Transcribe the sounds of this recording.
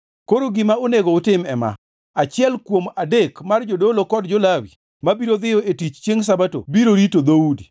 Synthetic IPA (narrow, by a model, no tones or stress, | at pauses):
koɾoɡɪmaoneɡoʊtɪmɛma̰ | at͡ʃɪɛlkwomadekmard͡ʒodolokɔdd͡ʒolawi | mabiɾod̪ɪjɔetit͡ʃt͡ʃjeŋs̬abato̰biɾoɾitod̪audi